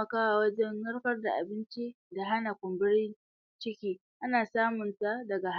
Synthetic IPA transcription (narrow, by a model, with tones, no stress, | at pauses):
ɐ˦kaː˦wa˨wɐ˦d͡ʒɛ˦nːɐ˦rɸɐ˦rda˨ʔa˨bɪ˦nt͡ʃi˦ | da˨ɦa˦na˨kʷʊ˨mbɪ˦ɽɪ˦n | t͡ʃɪ˦kʲiː˦ | ʔa˦naː˨saː˦mʊ˨nta˦dɐ˨ɡa˨h